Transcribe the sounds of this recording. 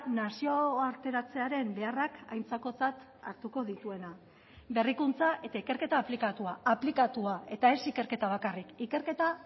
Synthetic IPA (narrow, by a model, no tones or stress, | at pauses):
nasio̞aɾt̪e̞ɾat͡se̞aɾe̞mbe̞araka̰jnt͡sako̞t͡sat̪ | a̰ɾt̪uko̞ðit̪ue̞na | be̞rikunt͡saʔe̞t̪aike̞ɾke̞t̪aːplikat̪uaːplikat̪uae̞t̪ae̞sike̞ɾke̞t̪aβ̞akarikike̞ɾke̞t̪a